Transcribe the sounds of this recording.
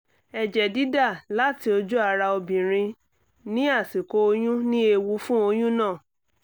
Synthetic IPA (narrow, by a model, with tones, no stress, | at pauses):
ɛ˨d͡ʒɛ˨di˨˦da˦˨la˨˦ti˧˦o˧d͡ʒu˦a˧ɾa˧o˧bĩ˨ɾ̃ĩ˧ | nĩ˦a˦˨si˨ko˨˦o˧j̃ũ˦nĩ˦e˧wu˧˦fũ˦o˧j̃ũ˦nãː˦˨